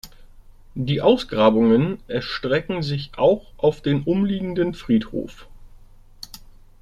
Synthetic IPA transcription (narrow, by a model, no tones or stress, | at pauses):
diːʔaʊsɡ̥ʁaːbʊŋənʔɛɐʃtʁ̥ɛkŋ̩zɪçʔaʊxʔaʊfd̥eːnʔʊmliːɡŋ̩dənfʁ̥iːtho̰ːf